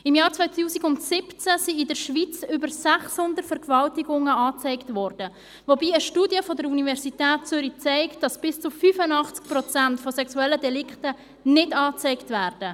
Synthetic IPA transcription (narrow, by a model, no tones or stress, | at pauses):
ɪmjɑːɾt͡svaɪt̪uːsiɡʊntsɪpt͡sæsiɪdəɾʃʋit͡sʏbəɾsæχshʊndəɾtfɛɾɡəvɑltiɡʊŋəɑːt͡sɛɪktvɔrd̥ə | vobiːəʃtuːdjəfɔdəɾunivɛɾsitɛːt̚t͡sʏɾit͡sɛɪktd̥ɑsb̥ɪst͡sufyfənɑχt͡sk̚pɾɔt͡sæntfɔsɛksuɛlːədɛlɪkχtə | nɪdɑːt͡sɛɪktvæːrd̥ə